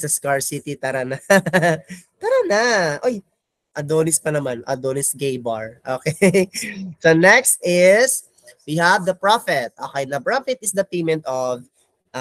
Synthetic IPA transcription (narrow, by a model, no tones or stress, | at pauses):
sɐskaɹsit̪it̪ɐɾɐna | t̪ɐɾɐnaʔoj | ʔɐd̪oːnɪspɐnɐmanʔɐ̰d̪oːnɪsɡejbaɹʔoːkɛ | donɛkst̪ɪs | wihɐvd̪ɐpɹafɛt̪̚ʔoːkɛjnɐbɹafɛt̪̚ɪsd̪ɐpejmɛnt̪ov | ʔ